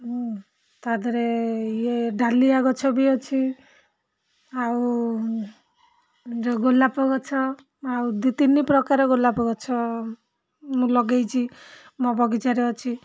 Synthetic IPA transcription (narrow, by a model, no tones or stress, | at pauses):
t̪ad̪ɔɾejeɖaliaɡɔt͡ʃʰɔbiɔt͡ʃʰi | aw | ɾɔɡolapɔɡɔt͡ʃʰɔ | awd̪it̪inipɾɔkaɾɔɡolapɔɡɔt͡ʃʰɔ | mũlɔɡejt͡ʃʰi | mɔbɔɡid͡ʒaɾeɔt͡ʃʰi